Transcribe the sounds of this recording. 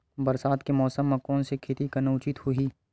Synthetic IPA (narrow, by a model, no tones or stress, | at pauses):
bɐɾsaːd̪kemɔːsəmːɐ̃kɔːnsekʰet̪ikɐnoʊt͡ʃɪt̪hʊiː